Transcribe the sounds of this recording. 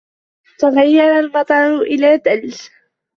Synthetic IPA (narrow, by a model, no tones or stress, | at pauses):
t̪ɑlɪjːɑɾˤalmɑt̪ˤɑɾˤʊʔɪlaːd̪als